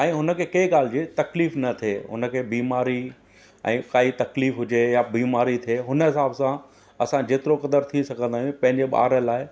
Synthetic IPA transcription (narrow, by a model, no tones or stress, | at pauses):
ɛ̃ːɦʊnə̆kʰeːkɐiɠaːl̤d͡ʑeːt̪ɐkliːfnɐt̪ʰeɦʊ̰nə̆kʰeːbiːmaːɾi | ɛ̰̃ːkaːit̪ɐkliːfɦʊd͡ʑejabiːmaːɾit̪ʰeːɦʊnəɦɪsaːbsã | ɐsãd͡ʑeːt̪ɪɾokɐd̪əɾt̪ʰisɐɡʱə̃nd̪aːjũpɐ̃ɦɪ̃ɲd͡ʑeɓa̰ːɾəlaːɪ